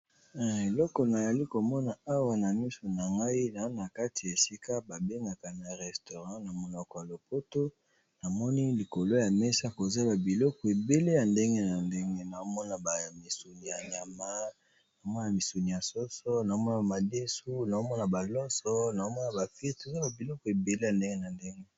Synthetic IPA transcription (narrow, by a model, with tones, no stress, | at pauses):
e˨lɔ˦kɔ˨na˨ja˨li˦ko˨mɔ˦na˨a˦wa˨na˨mi˦so˨na˨ŋɡa˦i˦na˨˦na˨ka˦ti˨e˨si˦ka˦ba˨be˦ŋɡa˨ka˨n˨a˨ʁɛ˨sto˨ʁã˦na˨mo˨nɔ˨kɔ˨ja˨lo˨po˦to˦ | na˨mɔ˦ni˦li˨ko˨lo˦ja˨mɛ˦sa˦ko˨za˦ba˨bi˨lɔ˦kɔ˨e˨be˦le˦ja˨nde˦ŋɡe˦na˨nde˦ŋɡe˦na˨o˦mɔ˦na˨ba˨mi˨su˨ni˨ja˨ɲa˨ma˦ | na˨o˦mɔ˦n˦˨a˨mi˨su˨ni˨ja˨sɔ˦sɔ˦na˨o˦mɔ˦na˨ma˨de˦su˦na˨o˦mɔ˦na˨ba˨lɔ˦sɔ˦na˨o˦mɔ˦na˨ba˨fi˦to˨za˦ba˨bi˨lɔ˦kɔ˨e˨be˨le˦ja˨nde˦ŋɡe˦na˨nde˦ŋɡe˦